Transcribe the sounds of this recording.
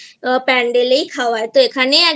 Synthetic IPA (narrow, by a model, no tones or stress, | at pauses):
pɛ̃ːɳɖelikʰaːʋaːet̪oekʰanea